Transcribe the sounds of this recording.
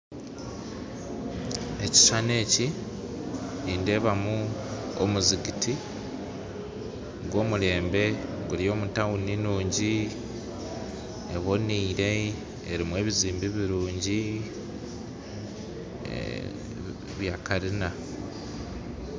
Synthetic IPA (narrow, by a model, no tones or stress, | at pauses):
e̞ci̥ʃane̞ːci | niːnde̞βamuo̰muziɡiti | ɡwo̞ːmuɾe̞ːmbe̞ | ɡulijo̞ːmutawuninuːɲɟi | eβo̞niːɾe̞ | eɾimwe̞ːβiziːmbiβiɾuːɲɟi | βjaːkaɾina